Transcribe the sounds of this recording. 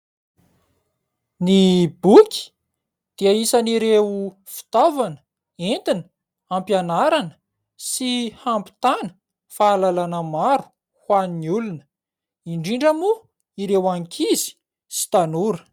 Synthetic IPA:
nibukʲi̥ | d̪̥iaisaniɾew | fi̥t̪avanə̥ | ent̪inə̥ | ampjanaɾanə̥ | sihampi̥t̪anə̥ | faːlalanəmaɾu̥ | hwaniniulunə | iɳɖ͡ʐiɳɖ͡ʐamu | iɾewaŋkʲʰizi̥ | si̥t̪anuɾə̥

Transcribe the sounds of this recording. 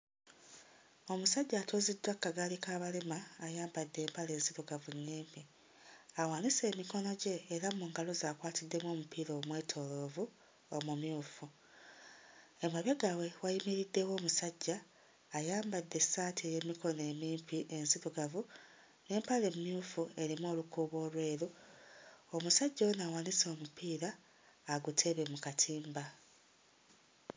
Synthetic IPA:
o̞musaɟːaːtoːzidwakːaɡalikaːβalemaːjaːmbadːe̞ːmpale̞ːnziɾuɡavuɲːiːmpi | awaːnise̞ːmiko̞no̞ɟe̞ːɾamuːŋɡalo̞zaːkwaːtidːe̞mwo̞ːmupʰiːlomweːtʰo̞lo̞vu | omumjuːfu | emwaβjaɡawe̞wajimiɾidːe̞wo̞ːmusaɟːaː | jaːmbadːe̞saːtʰieje̞mikʰo̞ne̞ːmiːmpʰiʔe̞nsiβuɡavu | ne̞ːmpale̞mumjuːfue̞ɾimoːlukuːβo̞ːlwe̞ːɾu | omusaɟːawenawaniso̞ːmupiːɾaː | ɡutʰe̞βe̞mukatʰiːmba

